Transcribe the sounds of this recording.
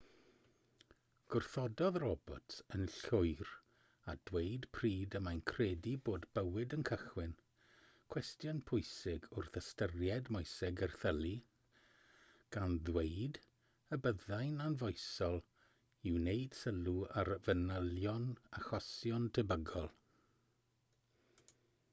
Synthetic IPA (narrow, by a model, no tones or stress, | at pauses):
ɡ̥ʊrθɔdɔðrɔbɔ̰tʰənɬʊjr | ad̥wejdpʰriːdəmajnkʰrɛːdiboːdbəwɪdənkʰəχwɪn | kʰw̥ɛstjɔnpʰʊjsɪɡʊrθəstərjɛdmɔjsɪɡərθəlˠi | ɡ̥anðwejd | əbəðajnanvɔjsɔlˠ | ɪwnejd̥səluarvənəljɔnaxɔsjɔntʰəbəɡɔlˠ